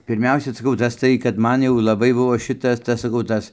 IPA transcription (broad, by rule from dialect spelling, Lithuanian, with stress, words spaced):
pʲɪrʲˈmʲɛʊsʲɛ ˈsɑːˈkɐʊ tɐs tɐɪ kɐt ˈmɐn jɛʊ lˠɐˈbɐɪ ˈbʊʋoː ˈʃʲɪtɐs ˈtɐs sɐˈkɐʊ ˈtɐs